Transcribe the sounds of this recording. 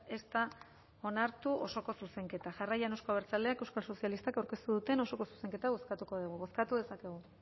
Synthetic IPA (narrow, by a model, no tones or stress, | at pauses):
e̞st̪a | o̞naɾt̪uʔo̞so̞ko̞suse̞ŋke̞t̪aʝarajanewskoβeɾt͡sald̪eake̞wskalso̞sialist̪akawɾke̞st̪uðut̪e̞no̞so̞ko̞su̥se̞ŋke̞t̪aβ̞o̞skat̪uko̞ðuɣuβo̞skat̪uðe̞sake̞ɣ̞u